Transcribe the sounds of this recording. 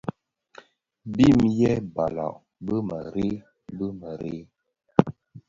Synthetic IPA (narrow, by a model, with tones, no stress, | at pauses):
bi˦˨mjɛ˦ba˨la̰˨ʔ | bə˦mə˨ɾe˦ | bə˦mə˨ɾe˦